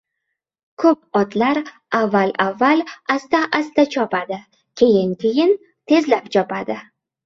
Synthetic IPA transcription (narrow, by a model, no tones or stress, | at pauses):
kʰɵp̚ɒt̪laɾ | avːalavːalast̪aʔast̪at͡ʃʰɒpad̪ɪ | kʲʰe̞jɪŋkʲʰejɪn | t̪ʰe̞zlapt͡ʃʰɒpad̪ɪ